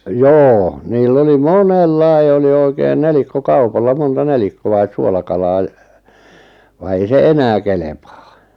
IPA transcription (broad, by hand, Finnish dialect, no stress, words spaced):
joː niːlː oli monelːɑi̞ oli oikein nelikːokɑupɑlːɑ montɑ nelikːoɑis suolɑkɑlɑː j̆ ʋɑ ei se enæː kelepɑː